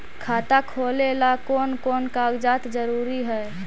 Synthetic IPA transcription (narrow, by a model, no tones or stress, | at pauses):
kʰaːt̪akʰoːlelakɔːnkɔːnkaɡd͡ʒaːt̪d͡ʒəɾuːɾiɦɛ